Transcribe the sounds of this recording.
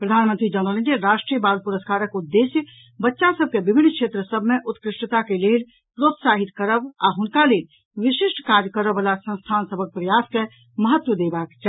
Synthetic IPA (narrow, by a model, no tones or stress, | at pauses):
pɾəd̪ʱaːnmənt̪ɾid͡ʒənələ̃nd͡ʒeɾaːʂʈɾijəbaːlpuɾəskaːɾəkud̪ːeːsjə | bətːʃãsəb̚kebɪbʱɪnːkʃʰeːt̪ɾəsəbʱmẽʔʊt̪kɾɪʃʈət̪akeleːl | pɾoːt̪saːɦit̪kəɾəbaɦʊnkaleːl | ʋɪʃɪʃʈkaːɾjəkəɾəbəlasə̃nst̪ʰaːnsəbʱək̚pɾəjaːske | məɦət̪ːʋəd̪eːbaːkt͡ʃa